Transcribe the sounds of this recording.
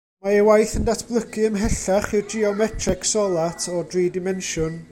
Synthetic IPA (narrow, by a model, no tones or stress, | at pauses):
maɛwajθəndatʰb̥lˠəkʰɨəmɦɛɬaχɪrd͡ʒiɔmɛtʰrɛksɔlˠatʰɔdriːdɪmɛnʃʊn